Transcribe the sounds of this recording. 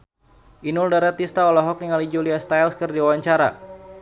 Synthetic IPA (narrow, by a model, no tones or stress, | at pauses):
ʔinuldaɾat̪ist̪aɔlɔɦɔk̚niŋalid͡ʒuliast̪ajlskərdiawaɲt͡ʃaɾa̰